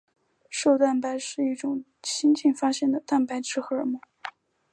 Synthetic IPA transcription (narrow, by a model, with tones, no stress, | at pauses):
ʂo˥˧ʊt̪a˥˩npa˧˥ɪʂɻ̩˥˧i˥˩ʈ͡ʂʊ˨˩ŋ | t͡ɕʰi˥nt͡ɕʰi˥˩nfa˥ɕjɛ˥˩nd̪ə˩t̪a˥˩npa˧˥ɪʈ͡ʂʰɻ̩˥xɤ˧˥ə˞˨˩mu˥˦